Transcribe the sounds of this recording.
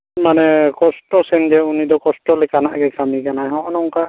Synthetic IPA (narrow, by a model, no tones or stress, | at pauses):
manɛkɔstɔsɛnd͡ʒɛunidɔkɔstɔlɛkanaʔɡɛkamiɡanajɦɔʔɔnɔŋka